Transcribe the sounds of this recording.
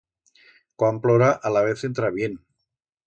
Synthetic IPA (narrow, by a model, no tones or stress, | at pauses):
kwamploɾaʔalaβ̞eθent̪ɾaβjen